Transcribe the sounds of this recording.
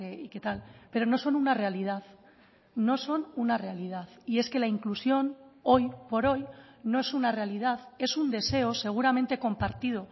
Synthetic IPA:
eiket̪alpe̞ɾo̞no̞so̞nunare̞alið̞aθ | no̞so̞nunare̞alið̞aθie̞ske̞laiŋklusjo̞no̞jpo̞ɾo̞jno̞e̞sunare̞alið̞aðe̞sund̪e̞se̞ose̞ɣ̞uɾamẽ̞nt̪e̞ko̞mpaɾt̪ið̞o̞

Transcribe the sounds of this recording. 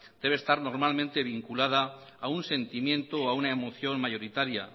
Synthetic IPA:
d̪̥e̞β̞est̪aɾno̞ɾmalmẽnt̪e̞β̞iŋkulað̞aː | unse̞nt̪imjẽ̞nt̪o̞aunaemo̞θjo̞nmaʝo̞ɾit̪aɾja̰

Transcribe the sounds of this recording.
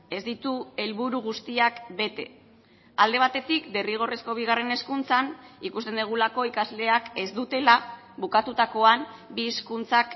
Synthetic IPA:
e̞zd̪it̪ue̞lβuɾuɣust̪iakbe̞t̪e̞ | ald̪e̞β̞at̪e̞t̪ikd̪e̞riɣ̞o̞re̞sko̞β̞iɣare̞ne̞skunt͡sanikust̪e̞nd̪iɣ̞ulako̞ikazle̞ake̞zd̪ut̪e̞la | bukat̪ut̪ako̞anbieskunt͡sak

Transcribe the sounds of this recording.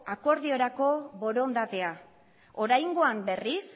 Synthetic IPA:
ako̞ɾðio̞ɾako̞βo̞ɾo̞nd̪at̪e̞a | o̞ɾajŋɡo̞ambe̞ris

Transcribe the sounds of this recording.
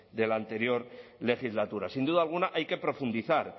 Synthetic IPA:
d̪e̞lant̪e̞ɾjo̞ɾle̞xizlat̪uɾasind̪uðaːlɣ̞unaʔajke̞pɾo̞fund̪iθaɾ

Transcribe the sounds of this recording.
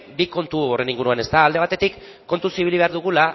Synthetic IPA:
biko̞nt̪uore̞niŋɡuɾuane̞st̪aːld̪e̞β̞at̪e̞t̪ikː | o̞nt̪usiβiliβe̞aɾðuɣ̞ula

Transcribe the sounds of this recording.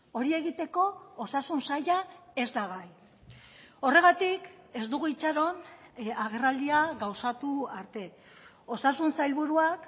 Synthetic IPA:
o̞ɾie̞ɣit̪e̞ko̞ːsasunsajae̞zd̪aɣaj | o̞re̞ɣ̞at̪ike̞zd̪uɣuit͡ʃaɾo̞naɣ̞e̞rald̪iaɣawsat̪uaɾt̪e̞ | o̞sasunsajlβuɾuak

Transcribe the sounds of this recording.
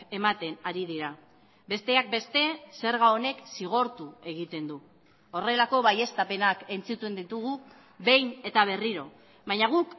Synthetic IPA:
e̞mat̪e̞naɾið̞iɾa | be̞st̪e̞ak̚be̞st̪e̞se̞ɾɣao̞ne̞ksiɣ̞o̞ɾt̪ue̞ɣ̞it̪e̞nd̪u | o̞re̞lako̞βaje̞st̪ape̞nake̞nt͡sit̪ue̞nd̪it̪uɣ̞u | be̞jne̞t̪aβ̞e̞riɾo̞ | βajɲaɣ̞uk

